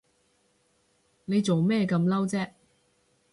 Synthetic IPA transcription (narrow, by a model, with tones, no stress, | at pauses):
ne˨˧jt͡so˨wmɛː˥˧kɐ˧mlɐ˥wt͡sɛː˥